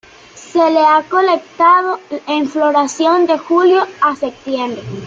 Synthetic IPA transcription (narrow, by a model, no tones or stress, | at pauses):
se̞leako̞lek̚t̪að̞o̞eɱfloɾasjo̞nd̪e̞xuljoasep̚t̪je̞mbɾe